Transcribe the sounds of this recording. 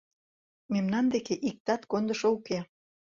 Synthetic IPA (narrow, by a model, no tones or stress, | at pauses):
memnɑnd̪ekeʔik̚t̪ɑt̪kond̪ə̆ʃouke